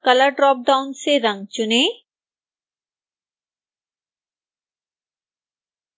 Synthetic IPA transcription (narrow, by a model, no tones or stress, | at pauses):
kɐlaɖɾɔp̚ɖawnseɾɐŋt͡ɕune